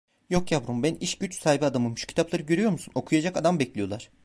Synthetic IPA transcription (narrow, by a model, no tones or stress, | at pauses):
jo̞kjapɾumbæniʃɟyt͡ʃsaːibiad̪amɯmʃu̥cʰt̪ʰaplˠaɾɯɟøɾyjo̞ɾmusuno̞kʰujad͡ʒakad̪ambɛclʲijo̞lˠaɾ̥